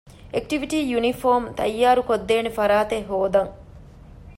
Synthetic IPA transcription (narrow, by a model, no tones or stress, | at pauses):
ek̚ʈiʋiʈiːjunifoːmt̪ɐjːaːɾukod̪ːeːnefɐɾaːt̪eɦoːd̪ɐŋ